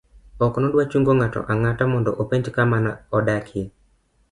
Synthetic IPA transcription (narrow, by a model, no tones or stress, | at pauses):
ɔknɔdwat͡ʃuŋɡoŋatɔ̰ʔaŋatamɔndɔʔopeɲd͡ʒkamanaɔdakʰɪ